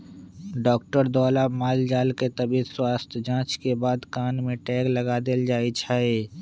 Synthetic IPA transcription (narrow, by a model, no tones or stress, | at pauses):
ɖɔːkʈəɾd̪ɔːlamaːld͡ʒaːlket̪ɐbiːswaːst̪ʰd͡ʒãːt͡ʃkebaːd̪kaːnmẽʈɛːklɐɡaːd̪eld͡ʒaːit͡ʃʰaːe